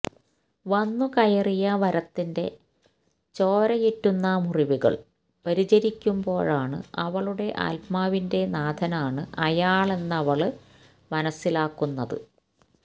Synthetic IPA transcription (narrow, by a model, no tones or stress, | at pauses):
ʋɐnːukɐjɐrijɐʋɐɾɐt̪ːinde̞ | t͡ɕo̞ːɾɐjitːunːɐmuriʋuɣɐ̰ɭ | pɐɾid͡ʑɐɾikʲːumbo̞ːɻaːɳɨ̰ɐʋɐɭuɽe̞ʔa̰lpmaːʋinde̞naːd̪ʱɐnaːɳɨʔɐjaːɭe̞nːɐʋɐɭ | mɐnɐsːilaːkːunːɐðɨ̰